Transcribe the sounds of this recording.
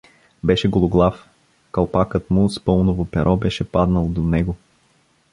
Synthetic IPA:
bɛʃɛɡolˠoɡlˠaf | kɐlˠpakət̪mʊspɤlˠnovopɛɾʔɔbɛʃɛpad̪nəlˠd̪onɛɡo

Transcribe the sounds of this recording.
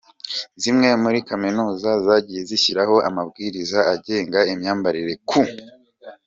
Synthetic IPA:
zimŋe̞muɾikaminuːzazaɟije̞ziçiɾaho̞ʔa̰mabɡiːɾizaaɟe̞ːŋɡaimɲaːmbaɾiɾe̞kʰu

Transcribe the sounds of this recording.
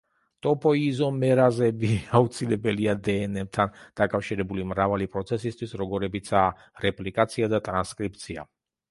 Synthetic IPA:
t̪ʼɔpʼɔizɔmɛɾazɛbiaut̪sʰilɛbɛliad̪ɛːnɛb̚t̪ʰand̪̥akʼafʃiɾɛbulimɾavalipʼɾɔt̪sʰɛsist̪ʰwisɾɔɡɔɾɛbit̪sʰaː | ɾɛpʼlikʼat̪sʰiad̪at̪ʼɾanskʼɾipt̪sʰia̰

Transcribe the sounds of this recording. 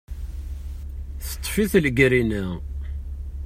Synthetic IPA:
θə̥t̪ˤːfiθləɡɾinæ

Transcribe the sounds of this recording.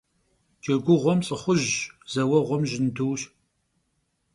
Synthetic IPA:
d͡ʒɐɡʷʊʁʷɔmt͡sʼɨχʷʊʒz̥ɐwɐʁʷɔmʒɪnduːɕ

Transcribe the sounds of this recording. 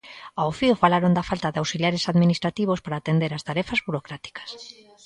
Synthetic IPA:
awfiofalaɾond̪afalt̪aðeawsiljaɾesaðminist̪ɾat̪iβ̞ospaɾaːt̪end̪eɾast̪aɾɛfazβuɾokɾat̪i̥kḁs

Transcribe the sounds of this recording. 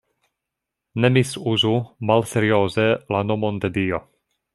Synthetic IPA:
nemisuzumalseɾioːzelanomond̪edio

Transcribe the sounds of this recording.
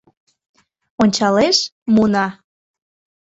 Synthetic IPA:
onʲt͡ɕɑleʃmunɑ

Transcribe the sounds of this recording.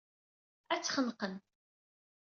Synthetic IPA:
æt͡sːχənqən

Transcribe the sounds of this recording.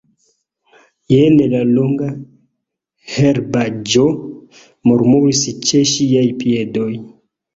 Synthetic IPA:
jenelaloŋɡa | heɾbad͡ʒo | muɾmuɾist͡ʃeʃiajpiedo̞j

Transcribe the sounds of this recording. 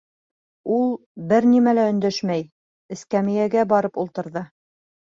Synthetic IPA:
ulˠ | bɘɾnimælæɵ̆nd̪æʃmæj | ɘ̆skæmijæɡæbɑɾɤpulˠt̪ɤ̆ɾðɤ

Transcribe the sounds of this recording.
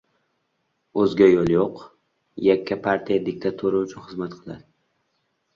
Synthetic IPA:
ɵzɡʲajɒlˠjoq | jakʲʰːapʰaɾt̪ʰijad̪ɪk̚ʲt̪ʰat̪ʰuɾaʊt͡ʃʰʊnχɨzmat̪qʰɨlˠa̰d̪ɪ

